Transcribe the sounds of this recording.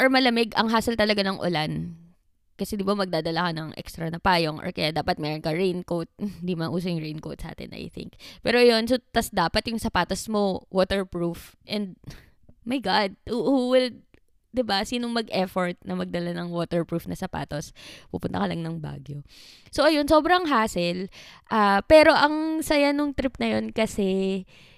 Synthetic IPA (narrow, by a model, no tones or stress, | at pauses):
ʔɐɹmɐlɐmɛɡʔɐŋɦaːsɐlt̪ɐlɐɡanɐŋʔʊ̰lan | kɐsɛd̪ibamɐɡ̚d̪aːd̪ɐlakɐnɐŋʔɛ̰kst̪ɾɐnɐpaːjoŋʔɐ̰kɐjad̪aːpɐt̪̚mɛːɾonkɐɹejnkowt̪̚hɪnd̪imɐʔuːs̬ɐjʊŋɹejnkowt̪̚sɐʔa̰ːt̪ɪ̰nʔɐ̰jθɪ̰ŋkpɛːɾojo̞nsot̪ɐsd̪aːpɐt̪jʊŋsɐpaːt̪ɐsmo̞woːt̪ɛɹpɹufʔɛnd̪̚ | mɐjɡad̪̚huhuwɪl | d̪ɪbasiːnoŋmɐɡʔɛfoɹt̪̚nɐmɐɡ̚d̪ɐlanɐŋwoːt̪ɛɹpɹufnɐsɐpa̰ːt̪ospṵːpʊnt̪ɐ̰kɐlɐŋnɐŋba̰ːɡjo | so̞ʔɐjo̞nso̞ːbɾɐŋɦaːsɛlʔaːpɛːɾo̞ʔɐŋsɐjanoŋt̪ɾɪp̚nɐjo̞nkɐsɛ